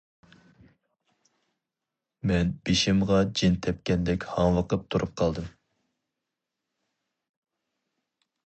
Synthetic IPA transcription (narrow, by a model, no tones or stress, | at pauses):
mɛnb̥eʃɪmʁɑd͡ʒint̪ʰɛp̚kʲɛnd̪ɛkʲhɑŋwəqəp̚t̪ʰuɾʔup̚qʰɑlˠd̪ɨm